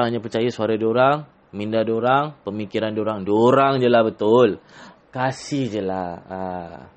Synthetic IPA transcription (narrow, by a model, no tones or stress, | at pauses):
aŋaɲapət͡ʃajasuaɾadoɾaŋ | mindadoɾaŋpəmikiɾandoɾaŋdoɾaŋd͡ʒəlahbət̪ʊl | kasɪhd͡ʒəlaha